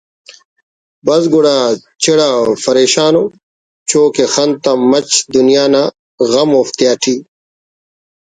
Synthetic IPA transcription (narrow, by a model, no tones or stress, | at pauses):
bɐzɡuɽaː | t͡ɕeɽaːfɐɾeːɕaːno | t͡ɕoːkexɐnt̪amɐt͡ɕd̪unijaːna | ɣɐmoːft̪jaːʈʰiː